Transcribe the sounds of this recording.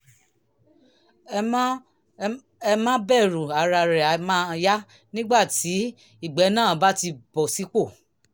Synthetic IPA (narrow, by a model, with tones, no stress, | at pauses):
ɛ˧mã˦bɛ˦˨ɾũ˨a˨ɾa˧ɾɛ˨a˨mã˦˧ja˦ | nĩ˦ɡ͡ba˦˨ti˨˦ | i˦˨ɡ͡bɛ˨˦nãː˦˨˦ba˦ti˧bɔ˨si˨˦k͡po˦˨